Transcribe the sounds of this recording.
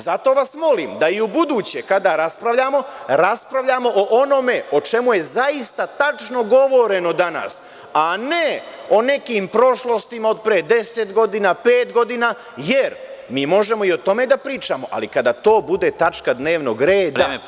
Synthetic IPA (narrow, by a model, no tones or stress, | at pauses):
zat̪o̞ːʋasmo̞limd̪aiubud̪uːt͡ɕekad̪aɾaspɾaʋʎamo̞ɾaspɾaʋʎamo̞ʔoʔono̞me̞o̞t͡ʃe̞muje̞zaist̪at̪at͡ʃno̞ɡo̞ʋo̞ɾe̞no̞d̪ana̰s | ane̞o̞ne̞kiːmpɾo̞ʃlo̞st̪imao̞d̪̚pɾed̪e̞set̪ɡo̞d̪inaːpeːt̪ɡo̞d̪inaː | jeɾmiːmo̞ʒe̞mo̞iot̪o̞me̞d̪apɾiːt͡ʃamo̞ʔa̰likad̪aːt̪o̞ːbud̪e̞t̪at͡ʃkad̪ne̞ːʋnoɡɾeːd̪a